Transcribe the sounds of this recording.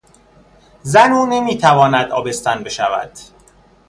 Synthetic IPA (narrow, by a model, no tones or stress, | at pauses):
zænuːne̞miːt̪ʰævɒːnæd̪ɒːbe̞st̪ænbe̞ʃævæ̰d̪̥